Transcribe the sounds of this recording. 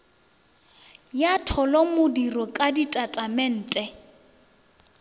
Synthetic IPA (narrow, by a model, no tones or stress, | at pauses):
jatʰɔlɔmʊdirɔkʼaditʼatʼamɛn̩ːtʼɛ